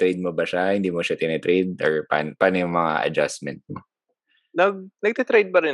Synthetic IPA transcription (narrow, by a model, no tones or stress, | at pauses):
t̪ɾejd̪̚mobɐʃahɪnd̪iːmoʃat̪ɪnɛt̪ɾejd̪̚oɹpa̰npaːnojʊŋmɐŋa̰ʔɐ̰d͡ʒa̰smɛnt̪̚mo | nɐɡ̚nɐɡ̚t̪it̪ɾejd̪̚pɐɾɛ